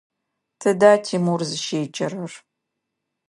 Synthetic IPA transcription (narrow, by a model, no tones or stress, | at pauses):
tʰɨdaːtʰiːmurzɨʃeːt͡ʃʼɐrɐr